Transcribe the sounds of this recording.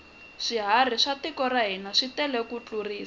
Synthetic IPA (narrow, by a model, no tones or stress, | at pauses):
ʂiɦar̤iʂatikɔraɦinaʂitɛlɛkut͡ɬuriːsa